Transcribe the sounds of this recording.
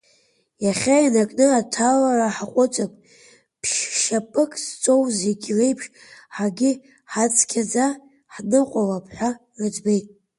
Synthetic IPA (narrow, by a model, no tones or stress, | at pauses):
jaχʲainakʼnɨatʰalaraħaqʷʼʊt͡sʷʼakʷʼ | pʰʃʃapʰʼɨkʼst͡sʷʼo̞wzeɡʲrejpʰʂħaɡʲɪ | ħat͡sʰʼkʲʰad͡za | ħnɨqʷʼalapʰħʷa | rɨd͡zbe̞jtʼ